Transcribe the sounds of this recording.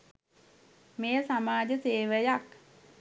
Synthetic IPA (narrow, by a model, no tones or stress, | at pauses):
mejəsamaːd͡ʒəseːʋəjak